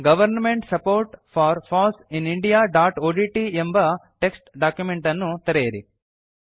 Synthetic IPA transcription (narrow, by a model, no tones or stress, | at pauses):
ɡɐʋɐɾnmeɳʈsɐpoːɾʈfʰaːɾfʰɔːsĩniɳɖijaːɖaːʈoːɖiʈiembɐʈeksʈɖaːkjumeɳʈɐnːut̪ɐɾejɐɾḭ